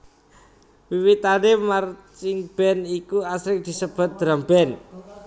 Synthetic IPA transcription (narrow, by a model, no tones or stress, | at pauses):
wiwit̪anemart͡ʃɪŋb̥ɛnikuasɾɪk̚d̪̥i̤səb̥a̤t̪̚d̪̥ɾambɛn